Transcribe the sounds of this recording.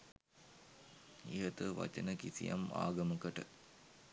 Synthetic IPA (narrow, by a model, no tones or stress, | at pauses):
iɦɐt̪ɨʋɐ̰t͡ʃɐnɐkisijɐ̰ma̰ːɡɐmɐkɐʈɨ